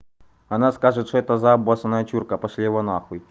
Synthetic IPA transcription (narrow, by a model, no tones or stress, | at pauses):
ɐnaskaʐɨt̪ʂɔɛt̪ɐzabasɐnɐjɐt͡ɕurkɐpɐʂlʲevɐnaxʊj